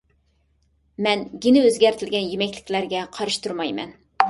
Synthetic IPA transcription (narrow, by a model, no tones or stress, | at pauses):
mɛnɡʲinɪøzɡʲæɾt̪ʰɪlɡʲɛnjimɛkʲlɪkʲlæɾɡʲɛqʰɑɾɨʃt̪uɾmɑjmɛ̰n